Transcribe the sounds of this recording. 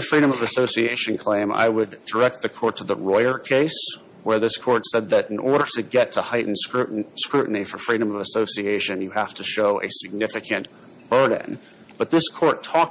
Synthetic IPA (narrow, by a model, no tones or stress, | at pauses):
ɨfɹiɾɨ̃mʌvɨsoʊsieɪʃɨ̃nkʰl̥ẽɪ̃ma̰ɪwɨdə˞ɛk̚t̪̚ðɨkʰɔɹtʰəðəɹɔɪə˞kʰeɪs | wə˞ðɪskʰɔɹtsɛd̪̚ðɨɾɨ̃n̩ʔɔɹɾə˞tɨɡɛtʰəhaɪʔn̩skɹʉʔskɹʉʔn̩ifə˞fɹiɾɨ̃mʌvɨsoʊsieɪʃɨ̃njɨhæftʰɨʃoʊʔɨ̰sɨɡ̚nɪfɨkʰɨ̃n | b̥ɜ˞d̰ⁿn̩ | b̥ʌt̪̚ðɪskʰɔɹtʰɔk̚